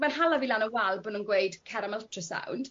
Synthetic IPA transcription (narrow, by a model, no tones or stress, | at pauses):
manhalaviːlanəwalˠbonuːnɡwejd̥kʰɛɾəmɛlˠtʰrəsa̰wnd̥